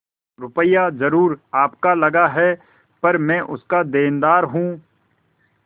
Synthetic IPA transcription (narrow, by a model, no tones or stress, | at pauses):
ɾʊpəjazɐɾuːɾaːpkalɐɡaɦɛ | pɐɾmɛ̃ʔʊ̰skad̪eːnd̪aːɾɦũː